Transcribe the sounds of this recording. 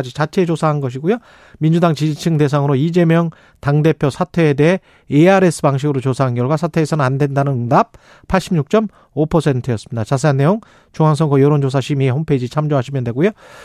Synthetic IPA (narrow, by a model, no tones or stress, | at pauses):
d͡ʑit͡ɕat͡ɕʰe̞t͡ɕosʰaɦanɡʌɕ̬ʰiɡojo | mind͡ʑudaŋt͡ɕid͡ʑit͡ɕʰɯŋde̞sʰaŋɯɾoid͡ʑe̞mjʌŋ | taŋde̞pʰjosʰatʰe̞ːde̞ɦeː | aɾe̞s͈ʰɯpaŋɕ̬ʰiɡɯɾot͡ɕosʰaɦanɡjʌɭɡwasʰatʰe̞ːsʰʌnɯnandwe̞ndanɯnɯdap̚ | pʰːaɭɕ͈ʰimɲuk̚t͡ɕ͈ʌm | opʰʌsʰe̞ntʰɯjʌs͈ɯmɲidat͡ɕas̬ʰeɦanːe̞joŋ | t͡ɕuŋɦaŋs̬ʰʌŋkʰʌjʌɾond͡ʑosʰaɕʰimieɸompʰe̞d͡ʑit͡ɕʰamd͡ʑoɦaɕʰimjʌndwe̞ɡojo